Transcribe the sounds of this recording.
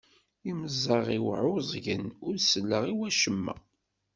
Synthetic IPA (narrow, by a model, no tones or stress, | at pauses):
iməzˤːɑʁiwʕʊzˤʝənʊɾsəlːəʁiwæʃəmːæ̰